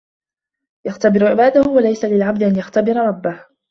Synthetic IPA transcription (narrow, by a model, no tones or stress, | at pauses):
jaxt̪abɪɾʊʕɪbaːd̪ahʊwalajsalɪlʕab̚d̪ɪʔanjaxt̪abɪɾɑɾˤɑbːah